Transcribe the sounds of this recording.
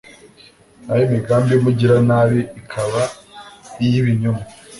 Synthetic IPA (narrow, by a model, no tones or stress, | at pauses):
najomiɡaːmbijomuɟiɾanaβeikʰaβa | ijiβiɲuma